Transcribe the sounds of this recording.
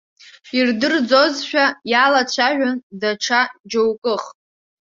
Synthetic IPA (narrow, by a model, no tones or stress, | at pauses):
irdɨrd͡zo̞zʃᶣajalat͡ɕʷʰaʒᶣʷandaʈ͡ʂʰad͡ʒowkʼɨχ